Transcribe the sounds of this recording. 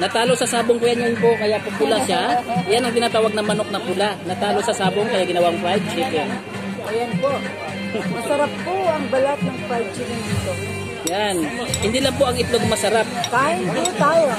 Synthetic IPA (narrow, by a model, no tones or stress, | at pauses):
nɐt̪aːloʔsɐsaːboŋkʊjanjajʊnpoʔŋɐjapʊpʊlaʃajanɐŋt̪ɪnaːt̪aːwɐɡ̚nɐmɐnok̚nɐpʊlanɐt̪aːloʔsɐsaːboŋkɐjaɡɪnɐwaʔɐŋpɾajd̚sɛpɾɛ | ʔɐjɐnpoʔ | mɐsɐɾap̚ːoɐŋbɐlat̪̚nɐŋpɾajb̚t͡ʃɪvɛnd̪it̪o | janhɪnd̪iːlɐŋpoʔɐŋɪt̪loɡmɐsɐɾap̚pajɐnot̪aːjo